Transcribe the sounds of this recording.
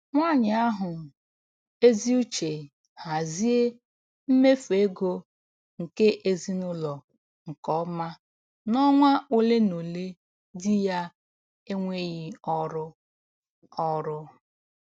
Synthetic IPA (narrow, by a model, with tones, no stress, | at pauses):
ŋʷa˦˨ɲɪ˨a˦ɦʊ˨ | e˦zi˦u˦t͡ʃe˨ | ha˨zi˦e˦ | m̩˦me˦fe˦ɡo˦ | ŋ̩˨ke˦ʔe˦zi˦nʊ˦lɔ˨ | ŋ̩˨kɔ˨˦ma˦ | nɔ˦ŋʷa˦ʔo˦le˦no˨le˦ | dɪ˦ja˦ | e˦ŋʷe˦ɣɪ˦ɔ˦ɾʊ˦ | ɔ˦ɾʊ˦